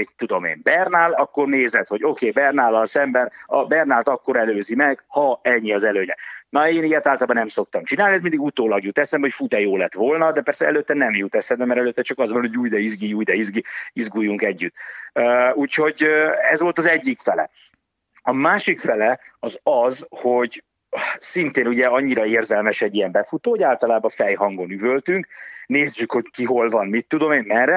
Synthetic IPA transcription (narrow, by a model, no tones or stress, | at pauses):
it̪ːud̪o̞mḛːmbɛrnald̪ɒkːo̞rneːzɛt̪ho̞ɟo̞keːbɛrnaːlːɒlsɛmbɛnɒ̰bɛrnalt̪ɒkːo̞ɾɛløːzimɛɡ̥hɒɛɲːiɒzɛløːɲɛnɒeːnijɛt̪aːlt̪ɒlbɒnɛmso̞k̚t̪ɒmt͡ʃinaːliɛsmind̪iɡut̪oːlɒɡjut̪ːɛsɛmho̞cfut̪ɛjoːlɛt̪ʋo̞lnɒd̪ɛpɛrsɛɛløːt̪ːɛnɛmjut̪ɛsɛd̪ɛmɛɾɛløːt̪ːɛt͡ʃɒkɒzʋɒnho̞ɟuːjd̪ɛizɡiuːjd̪ɛizɡiizɡujːuŋkɛɟːyt̪ːøuːcho̞ɟøɛzʋo̞lt̪ɒzɛɟːikfɛlɛ̰ | ɒmaːʃikfɛlɛɒzɒzho̞ɟ | sint̪eːnuɟɛɒɲːiɾɒeːrzɛlmɛʃɛɟːijɛmbɛfut̪oːoɟaːlt̪ɒlaːbɒfɛjɦɒŋɡo̞nyvølt̪yŋkneːzɟykho̞ckiɦo̞lvɒnmit̪ːud̪o̞meːnmɛrɛ